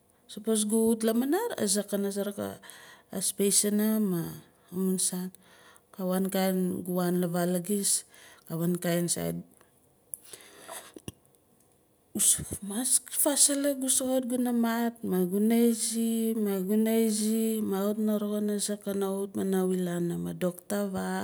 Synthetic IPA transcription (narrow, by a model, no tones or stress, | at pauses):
sapos̬ɡuutlamanaɾa̰zakːanas̬aɾaka̰ː | spejsanamaː | mansan | kawankajnɡuanlaβalaɡiskaβankajnsa̰j̰d | usmaskfasalaɡusokot̚ɡunamatmaɡunajzimaɡunajzimautnaɾoɡonazakanaut̚manawilanamado̞ktaβa